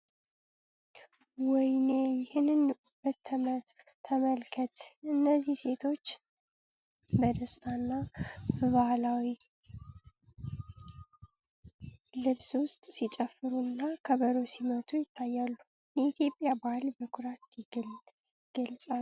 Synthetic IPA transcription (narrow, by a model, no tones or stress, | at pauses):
wɔjnejɪhɨnnbət̪ʰː | əməlkʰət̪ʔɨnːəzːihse̞t̪ʰo̞t͡ʃː | bəd̪əst̪ʰanːabəβahlawi | lɨβswʊst̪ʼsit͡ʃʼəfːɨɾunːakʰəβəɾo̞simət̪ʰujɪt̪ʰːajːalːu | jɛit̪ʰjo̞pʼːjabahlbəkʰʊɾat̪jɪɡ | ɪɡ̥əlsʼal